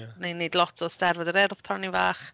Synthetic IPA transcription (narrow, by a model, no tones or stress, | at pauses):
nenedlˠɔtʰɔstɛrvɔdəɾɛrθpʰanivaːχ